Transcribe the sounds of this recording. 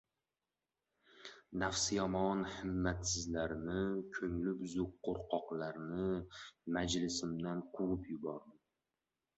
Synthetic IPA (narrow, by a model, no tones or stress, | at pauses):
nafsjɒmɒnhɪmːat̪sɪzlaɾnɪkʲʰɵŋlɪpzʊk̚qʰːoɾqʰɒqlaɾnɪmad͡ʒlɪsɪmd̪anqʰʊʁɪpjʊbɒɾd̪ɪ